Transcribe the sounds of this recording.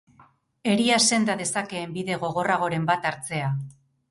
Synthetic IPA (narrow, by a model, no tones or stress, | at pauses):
e̞ɾiase̞nd̪að̞e̞sake̞ːmbiðe̞ɣo̞ɣ̞o̞raɣ̞o̞ɾe̞mbat̪aɾt͡se̞a